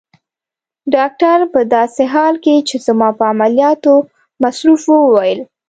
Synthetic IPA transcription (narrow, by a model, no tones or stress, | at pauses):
ɖɑk̚ʈaɾpəd̪ɑseɦɑlket͡ʃezamɑpəamaljɑt̪o | masɾufwəwajəl